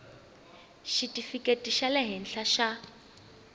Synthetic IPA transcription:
ʃitʼifikʼetʼiʃalɛɦɪn̩ɬaʃa

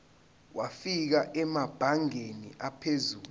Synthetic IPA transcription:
wʔafik̬aʔɛmab̥ʱaŋenḭʔapʰezuː

